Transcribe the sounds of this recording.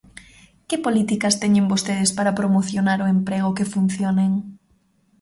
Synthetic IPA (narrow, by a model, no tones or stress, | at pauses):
kɪpolit̪ikɐst̪ɛɲẽŋbost̪eð̞ɪspaɾapɾomoθjonaɾoempɾeɣ̞ʊkefun̟θjoneŋ